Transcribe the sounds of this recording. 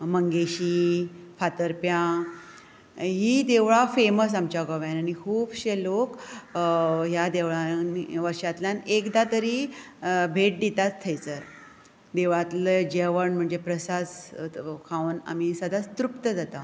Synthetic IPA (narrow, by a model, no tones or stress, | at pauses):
məŋɡeɕifat̪əɾpjã | ɦiːd̪eʋɭafeməs̬amt͡ɕaɡɔʋjanaɽ̃ikʰuːbɕelok | ɦjad̪eʋɭaniʋəɾɕat̪ljãnekd̪at̪əɾiː | bʱeʈ̚d̪it̪at͡st̪ʰːəjt͡səɾ | d̪eʋɭat̪ləd͡ʑeʋəɳm̤əɳd͡zepɾəsad͡zkʰawna̰misəd̪ʱast̪ɾupt̪əd͡zat̪a